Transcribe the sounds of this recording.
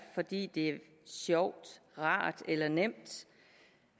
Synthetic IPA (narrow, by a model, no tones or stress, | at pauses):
fɒ̽d̥ḭːd̥e̝æ | sjɒʊ̰d̥ʁɑ̰̈ːd̥elɐnem̰d̥